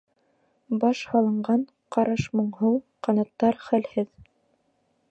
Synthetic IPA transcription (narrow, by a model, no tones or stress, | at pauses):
bɑʃhɑlˠɤ̆ɴɢɑɴ | qɑɾɑʃmŏɴɦɤwqɑnɑt̪ːɑɾχælhɘð